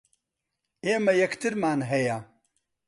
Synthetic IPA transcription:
eːmɐjɛkt̪ɨɾmaːnɦɛja

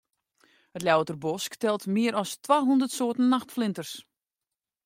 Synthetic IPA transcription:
hətljawtərbɔsktɛlˠtmɪəɾɔstwaːɦundərtsoːtən̩ːaxtflɪntərs

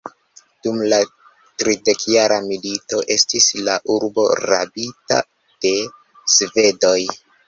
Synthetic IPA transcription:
d̥umla | tɾide̞kjaɾamilito̞ʔe̞stislaʔuɾbo̞̰ɾa̰bita̰ | d̥e̞ | sve̞do̞j

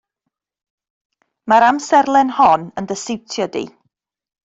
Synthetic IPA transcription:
maɾamsɛrlˠɛnhɔnəndəsɪwtʰjɔdḭ

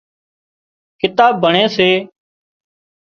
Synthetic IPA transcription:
kɪt̪aːbːəɳẽːseː

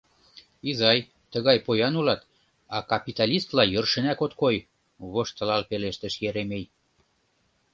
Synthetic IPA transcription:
izɑj | t̪əɣɑjpojɑnulɑt̪ | ɑkɑpit̪ɑlʲist̪lɑjərʃenækot̪koj | βoʃt̪ə̆lɑlpeleʃt̪ə̆ʃjeɾemej

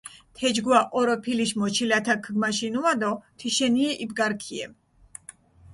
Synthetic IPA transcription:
t̪ʰɛd͡ʒɡwaʔɔɾɔpʰiliʃmɔt͡ʃʰilat̪ʰakʰɡmaʃinuad̪ɔt̪ʰiʃɛniɛʔibɡaɾkʰiɛ̰m

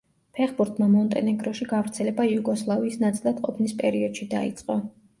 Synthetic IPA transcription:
pʰɛχbuɾt̪ʰʼmamɔnt̪ʼɛnɛɡɾɔʃiɡavɾt̪sʰɛlɛbajuɡɔslˠaviːsnat̪sʼilˠad̪qʼɔpʰnispʼɛɾiɔd̪̥ʃid̪aḭt̪sʼqʼɔ

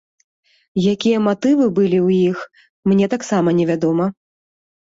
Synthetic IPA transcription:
jakʲijɐmat̪ɨvɨbɨlʲiwjix | mnʲɛt̪aksamɐnʲɛvʲad̪ɔmɐ

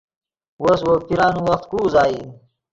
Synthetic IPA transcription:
woswopiɾɑːnuwɐxt̪kuːzaːi

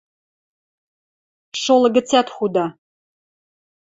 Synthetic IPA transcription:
ʂoləɡɨt͡sʰatʰχʷuda

